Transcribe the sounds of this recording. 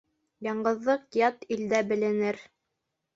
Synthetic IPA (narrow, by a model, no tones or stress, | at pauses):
jɑɴɢɤ̆ðːɤqjɑt̪ild̪æbɘ̆lɘ̆nɘɾ